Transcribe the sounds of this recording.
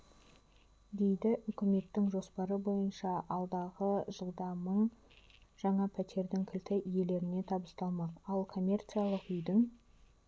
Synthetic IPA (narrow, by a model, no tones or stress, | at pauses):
d̪e̞jd̪ɪʔʏkʲɪme̞t̪ːɪŋʒo̞spɑɾəbo̞jənʃɑʔɑlˠd̪ɑʁəʒəlˠd̪ɑməɴ | ʒ̥ɑɴɑpʰæt̪ʰe̞ɾd̪ɪŋkʲʰɪlt̪ɪʔije̞le̞ɾɪne̞t̪ʰɑbəst̪ɑlˠmɑqɑlˠkʰo̞mʲːe̞rt̪sijalˠəqʏjd̪ɪŋ